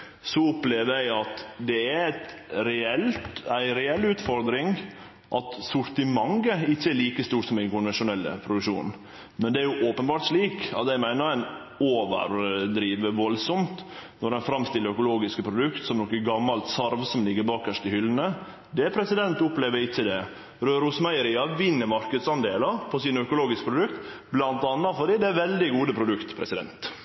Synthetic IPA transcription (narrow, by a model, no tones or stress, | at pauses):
sɔʊpleːʋəɾjæɪɑt̪d̪ɛææt̪ɾɛɛlt̪æɪɾɛɛlːʉːt̪fɔɾd̪ɾɪŋ | ʔɑt̪sʊɾt̪ɪmɑŋɡəɪçːəɛɭiːkəst̪uːʈsɔmd̪æɪŋkʊnʋɛnʂʊnɛlːə̰pʰɾʊd̪ʉkʂṵːn | mɛnd̪ɛæɾjʊʔoːpənbɑːɾʈ̪ʂliːkɑ̰t̪æɪmæɪnəɾæɪn | oːʋə̰ɾd̪ɾiːʋəʋɔlsɔmt̪nɔɾɛnfɾɑmst̪ɪləœkʊloːɡɪskəpʰɾʊd̪ʉkt̪sɔmnɔkːəɡɑmːɑlt̪sɑɾʋsɔmlɪɡəɾbɑːkæʂt̪ɪhʏlːən̩ə | d̪ɛpʰɾɛsɪd̪ɛnt̪ʊpleːʋəɾɪtːəd̪ɛ | ɾøːɾʊsmæɪəɾiːɑʋɪnːəmɑɾkəd̪sɑnd̪eːləpʰɔsɪnəœkʊloːɡɪskəpʰɾʊd̪ʉkt̪blɑnt̪ɑnːɑfɔɖ̪iːd̪ɛæɾʋɛld̪ɪɡuːd̪əpʰɾʊd̪ʉkt̪pʰɾɛsɪd̪ɛ̰nt̪